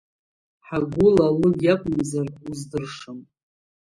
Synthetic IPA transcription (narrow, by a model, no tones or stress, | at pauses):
ħaɡʷʊlalɨjakʷʼmzaruzdɨrʂɨm